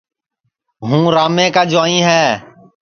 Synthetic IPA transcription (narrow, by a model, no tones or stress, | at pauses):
ɦũːɾaːmẽːkaːd͡ʒaːĩːɦɛː